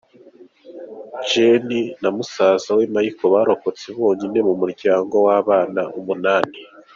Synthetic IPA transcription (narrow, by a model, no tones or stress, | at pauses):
d͡ʒeninamusaːzawemajikoβaɾo̞ko̞t͡seβo̞ːɲine̞mumuɾɟaːŋɡo̞waːβaːnaʔumunaːni